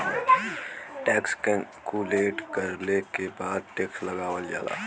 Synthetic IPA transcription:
ʈɛːkskuleːʈkɐɾlekebaːd̪̚ʈeːkslɐɡaːwəld͡ʒa̰ːla̰ː

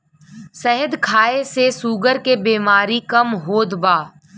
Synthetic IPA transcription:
səɦəd̪kʰaːesesuːɡəɾkebeːmaːɾikɐmɦoːd̪baː

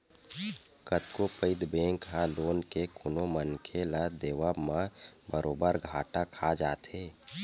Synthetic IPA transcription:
kət̪kopəɪd̪bẽːŋkɦãloːnkekʰʊnomənkʰelad̪eːʋaːmãbəɾʔoːbəɾɡʱaːʈakʰad͡ʒaːt̪eː

